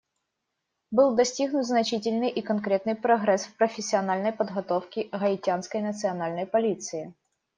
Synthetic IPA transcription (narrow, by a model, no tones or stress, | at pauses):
bɨlˠd̪ɐsʲtʲiɣnʊt̪ʲznɐt͡ɕitʲɪlʲnɨjʔikɐnkɾʲet̪nɨjpɾɐɣɾɛsfpɾəfʲɪsʲːɪɐnalʲnəjpəd̪ɣɐt̪ofkʲɪɣɐɪtʲanskəjnət̪sɨɐnalʲnəjpɐlʲit̪sɨɪ